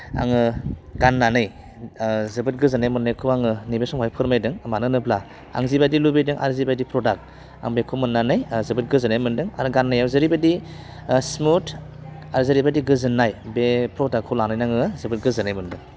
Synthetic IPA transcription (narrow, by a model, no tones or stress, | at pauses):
a̰ŋɯɡanːanɯj | zɯbɯt̚ɡɯzɯnajmɯnːajkʰɯaŋɯnibesɔmhajpʰɯɾmajdɯŋmanɯnɯpʰla | a̰ŋzibajdilubedɯŋʔa̰ɾzibajdipʰɾɔdak̚ | a̰ŋbekʰumɯnːanɯjzɯbɯt̚ɡɯzɯnajmɯndɯŋa̰ɾɡanːajawzɯɾibadi | smutʰ | aɾzɯɾibadiɡɯzɯnːajbepʰɾɔdakʰːɔlanajnaŋɯzɯbɯt̚ɡɯzɯnajmɯndɯŋ